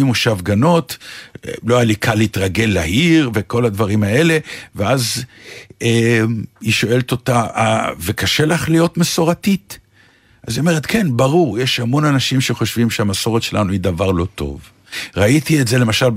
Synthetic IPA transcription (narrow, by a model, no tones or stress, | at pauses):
imuʃavɡano̞t | loaalikʰaleit̪ʁaɡelːahiʁveko̞lad̪vaʁimae̞le̞veaz | eiʃo̞e̞lt̪o̞taʔavekaʃe̞laχlijo̞tmeso̞ʁatit | ʔaziome̞ʁet̪kʰe̞nbaʁuʁjeʃamo̞nanaʃimʃe̞χo̞ʃvimʃeamaso̞ʁetʃelanuid̪avaʁlo̞to̞̰v | ʁait̪ietze̞lemaʃal